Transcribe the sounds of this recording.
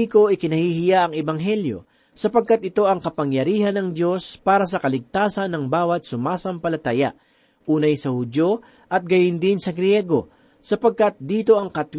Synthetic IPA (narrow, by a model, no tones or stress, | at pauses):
iko̞ʔɪkɪnɐhihɪjaʔɐŋɛbɐŋɦɛljo̞̰ | sɐpɐɡ̚kɐt̪̚ɪt̪o̞ʔɐŋkɐpɐŋjɐɾiːhɐnːɐŋd̪jo̞spaːɾɐsɐkɐlɪɡ̚t̪aːsɐnːɐŋbaːwɐt̪̚sʊmaːsɐmpɐlɐt̪aja̰ʔ | ʔuːnɐjsɐhʊd̪jo̞ | ʔɐt̪̚ɡɐjɪnd̪ɪnsɐɡɾjɛɡo̞ | sɐpɐɡ̚kɐt̪̚d̪iːt̪o̞ʔɐŋkɐt̪w